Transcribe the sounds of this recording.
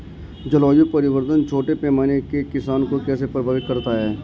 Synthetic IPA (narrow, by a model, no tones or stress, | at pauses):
d͡ʒəlɔːjupɐɾɪʋəɾt̪ənt͡ʃʰoːʈepɛːmaːnekekɪsaːnkokɛːsepɾəbʱaːʋɪt̪̚kɐɾt̪aɦɛː